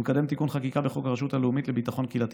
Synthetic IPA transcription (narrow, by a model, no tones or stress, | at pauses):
mkad̪e̞mt̪ikunχakikabeχo̞kaʁeʃutaleumitlebit̪aχo̞nkilat̪